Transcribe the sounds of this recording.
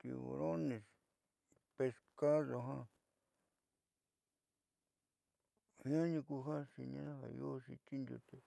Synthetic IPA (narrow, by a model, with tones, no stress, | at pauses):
t̪i˧βo̰˧ɾo˦nĩ˧s | pe˧ska˦ðo˧ɦã˦ | hĩ˦ã˦ɲũ˧ku˧ɦã˦ʂi˧nḭ̃˧nã˦ɦa̰˨jo˦ʂi˧t̪i˦nd̪ʲṵ˧t̪e˨